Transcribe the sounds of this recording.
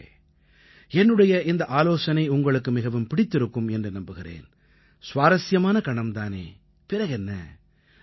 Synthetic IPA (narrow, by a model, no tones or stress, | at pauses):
ɛnːɯɽɐjɐɪnd̪ɐʔaːloːsɐnɐɪʊŋɡɐɭɯkːɯmɪɣɐʋɯmpɪɽɪt̪ːɪɾɯkːɯmɛndrɯnɐmbɯɣɪɾḛːn | sʋaːɾɐsɪjɐmaːnɐkɐɳɐmt̪aːnḛː | pɪɾɐɣɛnːɐ̰